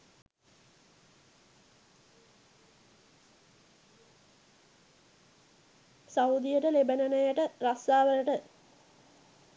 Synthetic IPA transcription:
saud̪ijəʈəlebənənəjəʈəɾasaːʋələʈə

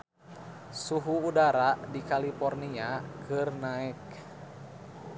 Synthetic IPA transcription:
suɦuːdaɾadikalipɔrniakʰɨrnaɛk

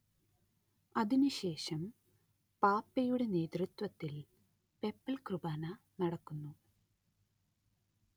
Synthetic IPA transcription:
ɐðinuɕe̞ːʂɐm | paːpːɐjuɽe̞ne̞ːt̪rit̪wɐt̪ːil | pe̞pːɐlkrubaːnɐ | nɐɽɐkːunːu

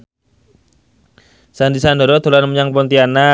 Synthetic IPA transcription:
sandisandoɾɔt̪o̤lanməɲaŋpɔnt̪iana

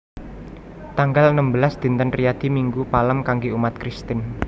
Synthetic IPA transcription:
t̪aŋɡalənəmbəlasd̪̥i̤nt̪ənrijad̪̥i̤miŋɡupaləmkaŋɡeumat̪̚kɾist̪ɪn

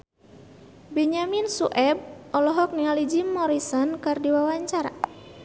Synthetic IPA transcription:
bɛɲaminsuʔɛb̚ʔɔlɔɦɔk̚nialid͡ʒimːɔɾisɔnkɨrdiwawaɲt͡ʃaɾa̰

